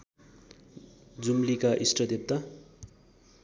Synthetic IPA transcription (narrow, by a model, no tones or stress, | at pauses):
d͡zumlikaʔisʈʌd̪ep̚t̪a